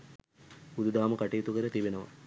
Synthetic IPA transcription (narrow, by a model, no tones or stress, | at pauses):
ud̪ud̪aːməkaʈijːt̪ukəɾət̪ibenəʋɐ̰